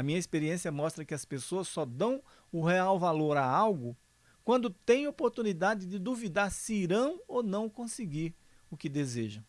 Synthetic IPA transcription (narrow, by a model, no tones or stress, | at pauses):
ɐmĩɲɐispeɾiẽsiɐmɔst̪ɾɐkɪɐspesoɐsːɔd̪ɐ̃w̃ | ʊɦeawvaloɾaawɡʊ | kwɐ̃nd̪ʊt̪ẽj̃opoɾt̪unid̪ad͡ʒɪd͡ʒɪd̪uvid̪aɾsɪɾɐ̃w̃onɐ̃w̃kõsɪɡiɾ | ʊkɪd̪ezeʒɐ̃